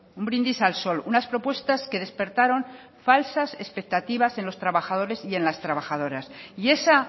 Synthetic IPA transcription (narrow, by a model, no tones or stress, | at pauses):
umbɾind̪isalso̞lunaspɾo̞pwe̞st̪aske̞ð̞e̞spe̞ɾt̪aɾo̞n | falsase̞spe̞k̚t̪at̪iβ̞ase̞nlo̞st̪ɾaβaxað̞o̞ɾe̞sie̞nlast̪ɾaβaxað̞o̞ɾasie̞sa